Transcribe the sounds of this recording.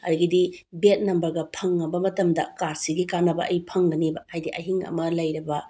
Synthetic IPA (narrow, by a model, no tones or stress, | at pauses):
ɐ̰ɾiɡidibet̚nɐmbɐɾɡɐpʰɐŋːɐbɐmɐtɐmdɐkaɾsiɡikanɐbɐʔɐjpʰɐŋɡɐnibɐhajdiʔɐɦiŋɐ̰mɐlɐjɾɐbɐ